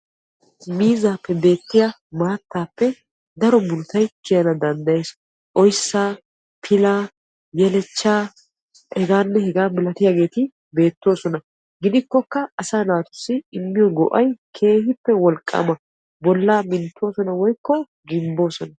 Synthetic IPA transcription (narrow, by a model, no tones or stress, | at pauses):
miːzaːpːɛbe̞ːt̪ːɪja | maːt̪ːaːpːɛ | d̪ɐɾɔbʊlʊt̪ɐjt͡ʃːɪjɐnɐd̪ɐnd̪ɐje̞ːs | ʔɔjsːaː | pʰɪlaː | jɛlɛt͡ʃːaː | hɛɡaːnːɛhɛɡaːmɪlɐt̪ɪjaːɡe̞ːt̪ɪ | be̞ːt̪ːo̞ːsɔnɐ | ɡɪd̪ɪkːɔkːɐɐsaːnaːt̪ʊ̥sːɪɪmːɪjɔɡɔ̰ʔɐjkʰe̞ːhɪpːɛwɔlkʼːa̰mɐ | bɔlːaːmɪnt̪ːo̞ːsɔnɐwɔjkːɔ | ɡɪmbo̞ːsɔnɐ